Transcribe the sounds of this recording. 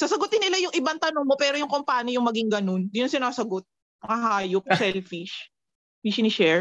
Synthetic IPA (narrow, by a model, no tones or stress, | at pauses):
sɐsɐɡʊt̪ɪnːɪlajʊŋʔɪbant̪ɐnoŋmo̞pɛːɾojʊŋkompaːɲɪjʊŋmɐɡiŋɡɐno̞nd̪ɪnɐnsɪnaːsɐɡo̞t̪̚ | mɐŋɐɦaːjop̚sɛlfiʃ | miʃnɪʃɛɹ